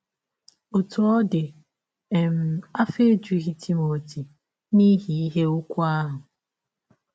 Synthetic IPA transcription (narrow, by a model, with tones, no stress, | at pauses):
o˨tʊ˨ɔ˦dɪ˨ | e˨m̩˨a˦fe˦d͡ʒu˨ɣi˦ti˦mo˨ti˨ | ni˦ɦi˨˦i˦ɦe˦ʊ˦kʷa˦ɦʊ˨